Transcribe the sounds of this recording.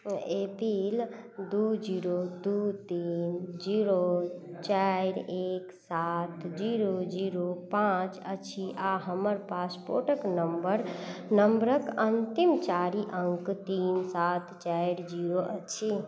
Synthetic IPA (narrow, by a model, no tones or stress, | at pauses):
epil | d̪ud͡ʒiɾod̪ut̪ind͡ʒiɾot͡ʃajɾeksat̪ʰd͡ʒiɾod͡ʒiɾopãt͡ʃət͡ʃʰiʔaɦəməɾpaspo̰ɾʈəknəmbəɾnəmbɾəkənt̪imt͡ʃaɾiʔəŋkt̪insat̪t͡ʃajɾd͡ʒiɾoʔət͡ʃʰi